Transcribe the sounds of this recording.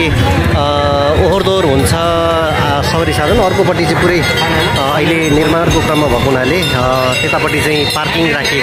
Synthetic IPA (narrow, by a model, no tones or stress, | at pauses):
oɦord̪orɦunt͡sʰʌ | sʌbʌɾisad̪ʱʌnʌrkopʌʈit͡saĩpuɾʌj | ʌɦilenirmarkokrʌmːabʱʌkʌwnale | t̪et̪apʌʈit͡sãĩparkiŋɡrakʰeko